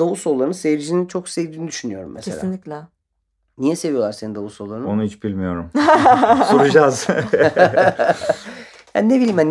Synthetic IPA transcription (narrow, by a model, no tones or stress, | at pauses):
d̪ouso̞lˠːaɾnsevɾid͡ʒinit͡ʃʰoksevd̪inid̪yʃynyjo̞ɾṵmːesʰḛainlʲiclʲɛ | nijɛse̞vijolˠaɾsenind̪ovuso̞lˠːaɾnonuhit͡ʃb̥ilʲmijo̞ɾum | suɾud͡ʒaz | ja̰ːninebilʲiːmhan